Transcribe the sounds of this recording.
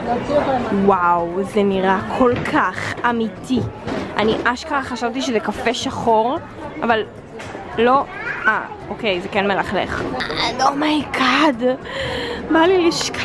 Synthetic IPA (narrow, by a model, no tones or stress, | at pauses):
wawzeniʁakʰo̞lkʰaχamit̪ʰiʔaniʔaʃkaχaʃavt̪iʃezekafeʃaχoʁ | ʔaval | lo̞ʔa̰ | ʔokejzekenmelaχlḛχlomaikʰad | maliʃk